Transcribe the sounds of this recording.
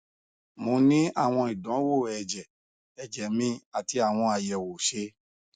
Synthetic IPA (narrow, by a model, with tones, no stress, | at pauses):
mo˧nĩ˦a̰˦˨w̃ɔ̃˧i˨dɔ̃˨˦wo˦˨ɛ˨d͡ʒɛ˨ | ɛ˧d͡ʒɛ˨mĩ˧a˨ti˧˦a˦˨w̃ɔ̃˧a˨jɛ˨wo˨ʃe˧˦